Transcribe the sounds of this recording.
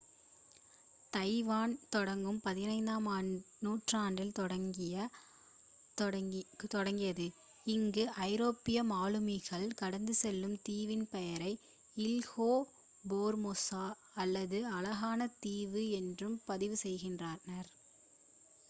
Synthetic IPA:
t̪ɐɪʋaːnt̪ɔɽɐŋɡɯmpɐðɪnɐɪnd̪aːmaː | nuːʈraːɳɖɪlt̪ɔɽɐŋɡɪjɐ | t̪ɔɽɐŋɡɪjɐðɯ | ɪŋɡɯʔɐɪɾoːpːɪjɐmaːlɯmɪɣɐɭkɐɽɐnd̪ɯsɛlːɯmt̪iːʋɪnpɛjɐɾɐɪ | ɪlɣoː | boːɾmosaː | ɐlːɐðɯɐlɐɣaːnɐt̪iːʋɯɛndrɯmpɐðɪʋɯsɛjɣɪndraːnɐɾ

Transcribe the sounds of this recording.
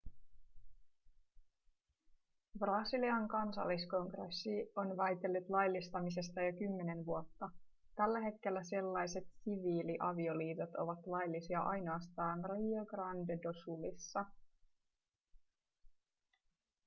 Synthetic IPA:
brɑsiliɑŋkɑnsɑ̰lːisko̞ŋɡresːio̞nʋæjt̪e̞lːut̪lɑjlːist̪ɑmis̬e̞st̪ɑjokymːe̞ne̞nʋuo̞t̪ːɑ | t̪ælːæɦe̞t̪k̟e̞lːæse̞lːɑjse̞t̪siʋiːliʔɑʋio̞liːt̪ot̪o̞̰ʋɑt̪lɑjlːisiɑʔɑjnoɑst̪ɑːnrioɡrɑndedosulisːɑ

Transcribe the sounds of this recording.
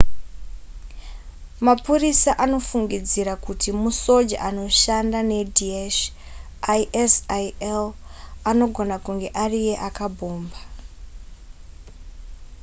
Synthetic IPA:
mapurisaʔano̞fuŋɡid͡ziɾakutʰimuso̞d͡ʒa̰ʔano̞ʃandane̞dieʃ | aʔesielano̞ɡʱo̞nakuŋɡe̞ʔarije̞ʔakabʱo̞ːmba

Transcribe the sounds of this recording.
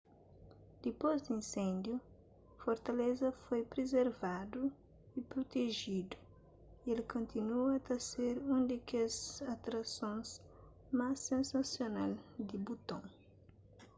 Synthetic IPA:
d̪̥ipozd̪ĩnsẽnd̪ju | foɾt̪ɐlezɐfojpɾezeɾvad̪u | ipɾot̪eʒid̪u | ielkõnt̪inuɐt̪ɐseɾũd̪ekezat̪ɾɐsõnz | masːẽnsɐsjona̰ld̪ibut̪õŋ

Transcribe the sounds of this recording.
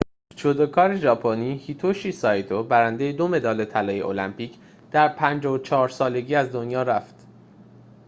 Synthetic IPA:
t͡ʃʰod̪okʰɒːɾe̞ʒɒːpʰoniːhit̪ʰoʃisɒːjt̪ʰobæɾænd̪e̞je̞d̪o̞me̞d̪ɒːle̞t̪ʰælɒːjeʔo̰læmpʰiːcʰ | d̪̥æɾpʰænd͡ʒɒːot͡ʃʰɒːɾsɒːle̞ɟiːæzd̪o̞njɒːɾæft̪

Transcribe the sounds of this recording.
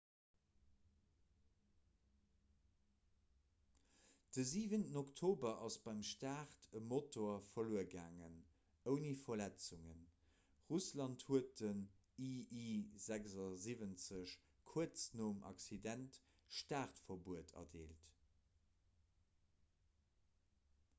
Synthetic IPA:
d̥əziːvəntənoktʰoːbɐʔɑsb̥ɑɪmʃtaːʁtʰəmotʰoɐfɐluəɡa̰ːŋə̰n | əʊnifɐlæt͡suŋən | ʁuslɑnthuət̚dən | iʔizækzɑzivənt͡səɕ | kʰuət͡snoːmʔɑ̰ksidænt | ʃtaːʁtfɐbuətʰɐ̰deːlt

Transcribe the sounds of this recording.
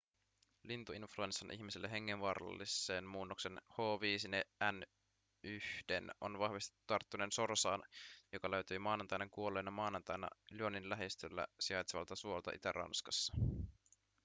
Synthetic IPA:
lint̪uinflue̞nsːɑnʔḭçmiselːeɦe̞ŋːenʋɑɾɑ̰lːisːe̞ːnmuːnːokse̞nho̞ːʋiːsineæn | yhd̥eno̞̰nʋɑhʋist̪it̪ut̪ɑrt̪ːuneːnso̞rsɑːnjo̞kɑløɥt̪yːmɑːnɑnt̪ɑjneŋkuo̞le̞ːnɑmɑːnɑnt̪ɑjnɑ̰lyoninlæɦest̪ølːæ̰siɑjt̪seʋɑ̰lt̪ɑsuo̞lt̪ɑ̰ʔit̪ærʔɑ̰nskɑsːɑ̥

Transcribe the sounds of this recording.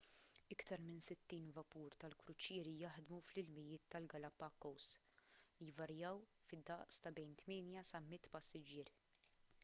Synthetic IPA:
ɪkt̪ɐɾmɪnsɪt̪ːiːnvɐpuːɾt̪ɐlkɾʊt͡ʃɪːɾijɐħd̪muflɪlmɪjɪːt̪ːɐlɡɐlɐpɐkːɔws | lijvɐɾjɐwfɪd̪ːɐʔst̪ɐbɛjnt̪mɪːnjɐsɐmɪt̪ːpɐsːɪd͡ʒɪːɾ

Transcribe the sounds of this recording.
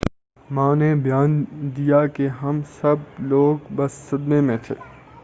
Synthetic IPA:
mãːnebʱjaːnd̪ijakeɦɐmsɐbloːɡbɐsːɐd̪memẽt̪ʰḛː

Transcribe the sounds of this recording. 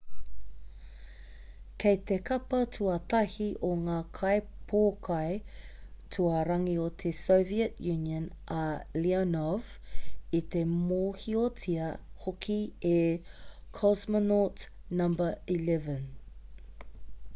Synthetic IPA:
kʰejt̪ekʰɐpɐtʰuɐtɐhiʔoŋaːkʰɐj | pʰoːkʰɐj | tʰuɐɾɐŋiot̪ʰesowviətjʉniə̃nʔɐlianɔvit̪emoːhiotʰiɐhokʰie | kʰɔsmənot | nɐ̃mbəilɛvən

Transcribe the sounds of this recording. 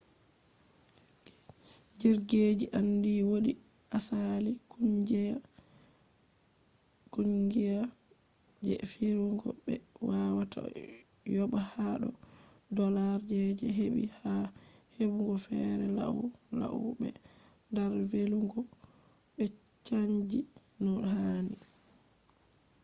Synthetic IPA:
d͡ʒiɾɡed͡ʒiʔandiːwoɗi | asalikʰuɲd͡ʒɛa | kuɲɡija | d͡ʒɛ̰fiɾuŋɡɔ̰bɛ | wawatʰa̰ | jɔɓahaɗɔ̰ | dɔlaɾd͡ʒɛd͡ʒɛɦeɓḭha | hebuŋɡɔfɛɾɛla̰u | la̰uɓɛ̰ | ndɛɾveluŋɡɔ | ɓɛ | t͡ʃaɲd͡ʒi | nɔɗɦani

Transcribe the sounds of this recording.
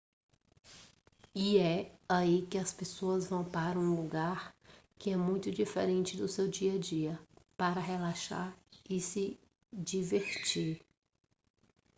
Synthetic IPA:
iɛaikɪɐspesoɐzvɐ̃w̃paɾɐũluɡaɾkɪɛmũj̃t̪ʊd͡ʒifḛɾẽnt͡ʃɪd̪ʊsewd͡ʒiɐd͡ʒiɐpaɾɐɦelaʃa̰ɾɪsɪ | d͡ʒiveɾt͡ʃiɾ

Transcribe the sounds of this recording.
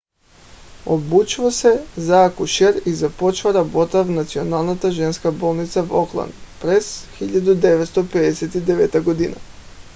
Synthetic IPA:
obut͡ʃʋosezakuʃeɾizapo̞t͡ʃʋaɾabo̞t̪aʋnat̪sionalˠnat̪aʒe̞nskabo̞ːlˠnit̪saʋoklˠa̰nd̪pɾez̥xiʎad̪ud̪e̞ʋet̪st̪oped̪eset̪id̪eʋet̪aɡod̪ina̰

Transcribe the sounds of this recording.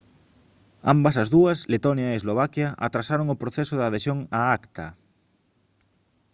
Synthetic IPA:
a̰mbɐsazðuɐslet̪onjaeːzloβ̞akjaa̰t̪ɾasaɾoŋopɾoθesoðaðesjoŋaakt̪a

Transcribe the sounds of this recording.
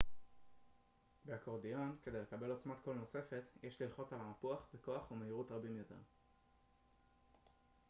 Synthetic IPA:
beakoʁdijo̞nke̞d̪ejle̞kabe̞lo̞t͡smat̪ko̞lno̞se̞fe̞tjʔeʃlilχo̞t͡salaapuaχbeko̞aχumeiʁutʁabimjo̞t̪e̞̰ʁ

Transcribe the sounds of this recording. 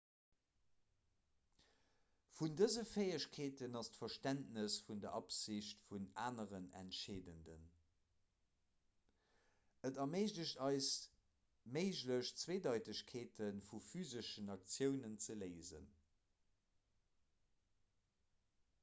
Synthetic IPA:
fundəzəfeɪəɕkʰeːtənɑstfɐʃtæntnəsfundɐʔɑpziɕtfuna̰ːnəʁənæ̰ntʃeːdəndə̰n | ətɐmeɪʑdəɕtɑɪs | meɪʒləɕt͡sweːdɑɪtəɕkʰeːtʰənfufyːzəʃənɑk̚t͡sjəʊnənt͡səleɪzə̰n

